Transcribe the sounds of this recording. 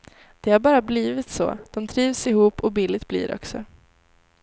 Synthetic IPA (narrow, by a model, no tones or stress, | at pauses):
d̪̥ɛhaɾbɑːɾabliːvɪt̪so̰ːd̪̥ɔmt̪ʰɾiːvsɪhuːpːɔbiːlːɪt̪̚b̥lḭːɾʔɔ̰ksɔ̰